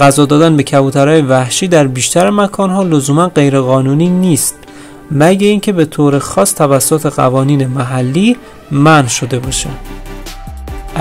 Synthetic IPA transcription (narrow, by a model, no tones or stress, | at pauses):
ɢæzɒːd̪ɒːd̪ænbe̞cʰæbuːt̪ʰæɾɒːjevæhʃiːd̪æɾbiːʃt̪ʰæɾemækʰɒːnɦɒːlo̞zuːmænɢe̞jɾeɣɒːnuːniːniːst̪̚ | mæɟeiːncʰe̞be̞t̪ʰoːɾe̞xɒːst̪ʰævæsːot̪ʰe̞ɣæ̰vɒːniːne̞mæɦælːiː | mænʃo̞d̪e̞bɒːʃæ̥